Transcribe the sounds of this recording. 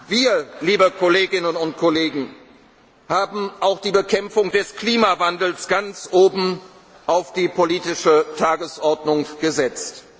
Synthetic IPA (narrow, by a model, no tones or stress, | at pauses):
viːɐliːbəkʰɔleːɡɪnənʊnt̚kʰɔleːɡŋ̩ | haːbm̩ʔaʊxd̥iːbəkʰɛmfʊŋdɛskliːmavandl̩sɡ̥ant͡sʔoːbm̩ | ʔaʊfd̥iːpʰoliːtɪʃətʰaːɡəsʔɔɐdnʊŋɡ̥əzɛt͡st